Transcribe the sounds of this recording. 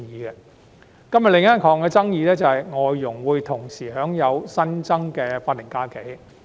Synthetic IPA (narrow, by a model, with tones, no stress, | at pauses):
jiː˨˧ɡɛ˧ | kɐ˥mjɐ˨tlɪ˨˧ŋɐ˥nkʰɔː˨˥ŋkɛː˧t͡sɐ˥ŋjiː˨˧lɛː˥t͡sɐ˨˩hɐ˨jŋɔː˨˧jjʊ˨˩ŋwuː˨˧jt̪ʰʊ˨˩ŋsiː˨˩ɦœː˨˥ŋjɐ˨˧wsɐ˥nt͡sɐ˥ŋkɛː˧faː˧t̪̚ːɪ˨˩ŋkaː˧˥ke˨˥j